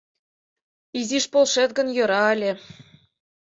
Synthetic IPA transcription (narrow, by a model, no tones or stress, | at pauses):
iziʃpolˠʃet̪ɡə̆njɤ̆ɾɑelʲĕ